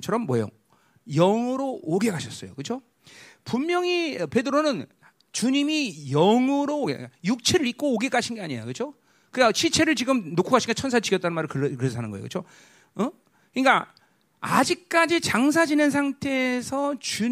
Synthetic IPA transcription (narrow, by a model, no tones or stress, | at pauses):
t͡ɕʰʌɾʌmːwʌejo̰ | jʌŋuɾoːɡe̞kaɕʰʌs͈ʌjo̰kɯt͡ɕʰo | pummjʌŋipe̞dɯɾonɯn | t͡ɕuɲimijʌŋuɾo̰ajuk̚t͡ɕʰeɾɯɭik̚k͈oːɡe̞k͈aɕʰinɡeaɲijakɯt͡ɕʰo | kɯkaɕʰit͡ɕʰe̞ɾɯɭt͡ɕiɡɯmnokʰuɡaɕʰinɡet͡ɕʰʌns̬ʰat͡ɕiɡʰjʌt͈anɯnmaɾɯɭkɯkɯɾes̬ʰanɯnɡʌej̰kɯt͡ɕʰo | kɯɲik͈a | a̰d͡ʑik̚k͈ad͡ʑit͡ɕaŋs̬ʰad͡ʑinɯns̬ʰaŋtʰe̞ːsʰʌt͡ɕu